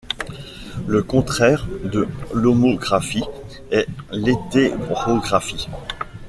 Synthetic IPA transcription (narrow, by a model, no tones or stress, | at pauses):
ləkɔ̃t̪χɛʁd̪əlomoɡʁafi | ɛlet̪eʁoɡʁafi